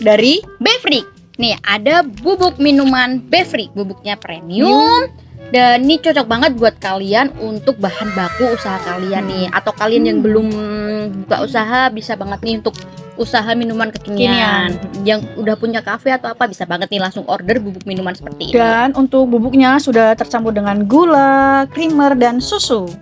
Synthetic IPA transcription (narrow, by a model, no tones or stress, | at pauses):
daɾibefrik̚ | nɪhʔadabubʊk̚minumanbefrik̚bubʊk̚ɲapɾemiʊum | danit͡ʃɔt͡ʃɔk̚baŋət̪̚buat̪̚kalianunt̪ʊk̚bahanbakuːsaɦakalianːɪha̰t̪awkalianjaŋbəlʊmbut̪a̰ʔusaɦabisabaŋət̪̚niunt̪ʊk̚usaɦaminumankəkiniinianjaŋudahpuɲakafeat̪awapabisabaŋət̪̚nilaŋsʊŋɔrdərbubʊk̚minumansə̥pərt̪ḭḭdanunt̪ʊk̚bubʊk̚ɲasudaht̪ərt͡ʃambʊdəŋanɡulakɾimərdansusu